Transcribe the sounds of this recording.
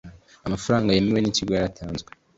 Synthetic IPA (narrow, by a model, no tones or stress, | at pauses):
amafuɾaːŋɡajemewe̞niciɡojaɾatʰaːnzɡwe